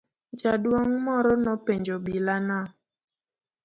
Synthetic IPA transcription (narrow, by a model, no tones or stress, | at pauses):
d͡ʒadwɔŋmɔɾɔnɔpeɲd͡ʒɔbilana